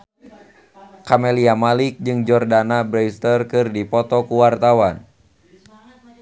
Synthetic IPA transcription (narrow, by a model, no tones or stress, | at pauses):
kameliamalik̚d͡ʒɨŋd͡ʒɔrdanabɾɛst̪ərkɨrdipɔt̪ɔkuwart̪awan